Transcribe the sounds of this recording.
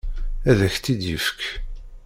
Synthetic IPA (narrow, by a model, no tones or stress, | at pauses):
æðæçt̪ːid̪jəfək